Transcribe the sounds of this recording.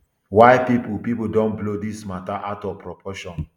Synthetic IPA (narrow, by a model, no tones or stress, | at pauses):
waɪpipupipudɔ̃nblodismataʔatɔpɹɔpʰɔʃɔ̃n